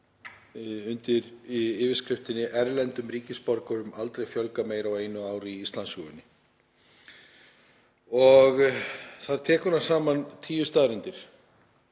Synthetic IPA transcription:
ʏnt̪ɪɾiɪːvɪskɾɪft̪ɪnːɪʔɛɾlɛnt̪ʏmriːcɪspɔɾkœɾʏmalt̪ɾejfjœlkameːjɾawejnʏaːwɾiist̪lansuɣʏnːɪ | ɔɣθaðɾ̥t̪ʰɛːkʏnḁsaːmant̪ʰiːjʏst̪aːðɾʏnt̪ɪɾ̥

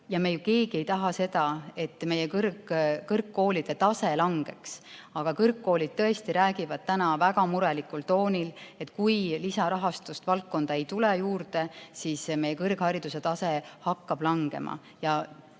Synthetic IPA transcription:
jɑmejuke̞ːɡ̥ie̞jt̪ɑɦɑse̞d̪ɑe̞t̪ːˑme̞jekɤrkːkɤrkːo̞ːlid̪̥e̞t̪ɑse̞lɑŋɡ̥e̞ksɑɡ̥ɑkɤrkːo̞ːlid̪̥̚t̪ɤe̞st̪iɾæːɡivɑd̪̥̚t̪ænɑvæɡɑmuɾe̞likːˑult̪o̞ːnʲile̞t̪ːˑkujlisɑɾɑɦɑst̪ust̪vɑltk̚ːo̞nd̪̥ɑe̞jt̪ulejuːrd̪e̞siːsme̞jːe̞kɤrɡ̥hɑɾid̪̥use̞t̪ɑse̞hɑkːɑb̥lɑŋɡ̥e̞̰mʔɑ̰ | jɑ

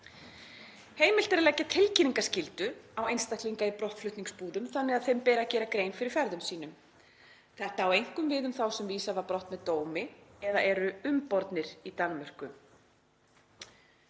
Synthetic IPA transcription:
hejmɪlt̪ɛɾlɛcːat̪ʰɪlcɪniŋkascɪlt̪ʏawejnst̪ahk̪liŋkaipɾɔht̪flʏht̪niŋkspuːðʏmθanːɛɣaðθejmpɛːɾacɛːɾakɾeːjnfɪɾɪɾ̥fɛɾðʏmsiːn̪ʏm | θɛht̪aːwejŋ̥kʏmvɪːðʏmθawsɛmviːsavaɾpɾɔht̪mɛðt̪oːwmɪɛðaʔɛɾʏʏmpɔɾt̪nɪɾit̪anːmœr̥kʏ

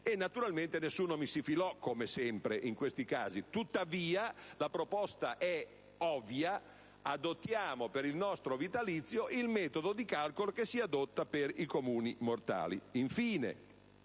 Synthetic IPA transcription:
enːat̪uɾalment̪enesːuːnomisifilɔkːomesɛmpɾeʔiŋkwest̪ika̰ːzit̪ut̪ːaviːalapɾopɔst̪aʔɛ | ɔvja | ad̪ot̪ːjaːmopeɾilnɔst̪ɾovit̪alit̪sːjoʔilmɛːt̪od̪od̪ikalkolokesːiad̪ot̪ːaperikomuːnimort̪a̰ːlḭiɱfiːnḛ

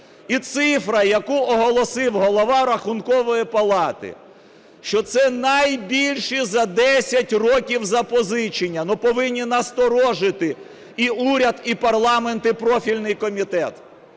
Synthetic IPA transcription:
it̪sɪfɾɐjɐkuɔɦɔlˠɔsɪwɦɔlˠɔʋɑɾɐxʊnkɔʋɔjipɐlˠɑt̪ɪ̰ | ʃt͡ʃɔt̪sɛnɐjbʲilʲʃizɐd̪ɛsʲɐtʲrɔkʲiwzɐpɔzɪt͡ʃinʲːɐnupɔʋɪnʲːinɐst̪ɔɾɔʒɪt̪ɪ | iuɾʲɐd̪ipɐrlˠɑment̪ɪpɾɔfʲilʲnɪjkɔmʲit̪ɛt̪

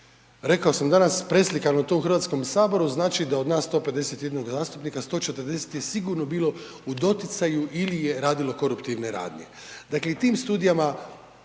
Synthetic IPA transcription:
ɾe̞kaosamd̪anaspɾe̞slikanot̪o̞uxɾrʋat̪sko̞msaːbo̞ɾuznaːt͡ʃid̪ao̞d̪naːsːt̪o̞pe̞d̪e̞se̞t̪je̞d̪noɡzaːst̪upnikast̪o̞ːt͡ʃet̪əɾd̪e̞se̥t̪je̞siɡuɾnobiːlo̞ | ud̪o̞t̪it̪sajuʔilije̞ɾaːd̪ilo̞ko̞ɾupt̪iʋneɾa̰ːd̪ɲe̞̰ | d̪akle̞it̪iːmst̪uːd̪ijama

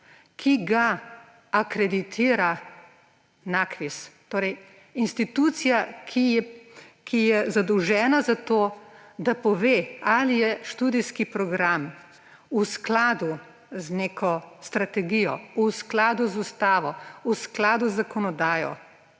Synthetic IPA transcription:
kʰiɡaː | kɾɛd̪it̪ʰiːɾa | nakɾist̪oːɾɛj | inst̪it̪ut̪sijakʰiɛkʰijɛzad̪ɔwʒɛːnazat̪oːd̪apɔʋealijɛʃt̪ud̪iskipɾɔɡɾam | usklaːd̪u | zneːkʰɔst̪ɾat̪ɛɡijɔusklaːd̪uzust̪aːʋɔusklaːd̪uzːakɔnɔd̪aːjɔ̰

